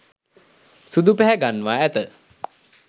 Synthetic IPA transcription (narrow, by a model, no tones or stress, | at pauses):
sud̪upæɦæɡanːʋaæt̪ə